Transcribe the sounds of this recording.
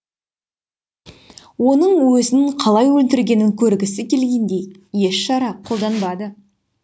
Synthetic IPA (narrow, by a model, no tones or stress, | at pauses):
wo̞nəɴwɵzɪnɪɴqʰɑlˠɑjwɵlt̪ɪɾɡʲe̞nɪŋkʲʰɵɾɡʲɪsɪkʲʰe̞lɡʲe̞nd̪e̞jje̞ʃʃɑɾɑqʰo̞lˠd̪ɑnbɑd̪ə